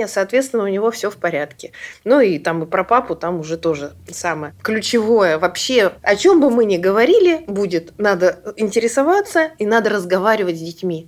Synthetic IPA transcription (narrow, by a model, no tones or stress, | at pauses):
jəsɐːt̪vʲet̪st̪vʲɪnəʊnʲɪvo̞fsʲɵfpɐɾʲat̪kʲɪnuit̪amɨpɾɐpapʊt̪amʊʐɛt̪o̞ʐɨsaməjəklʲʉt͡ɕɪvo̞jəvɐpɕːeɐt͡ɕo̞mbɨmɨnʲɪɡəvɐɾʲilʲɪbudʲɪt̪nad̪əɪnʲtʲɪɾʲɪsɐvat̪səinad̪ərəzɡɐvaɾʲɪvətʲzʲdʲɪtʲmʲi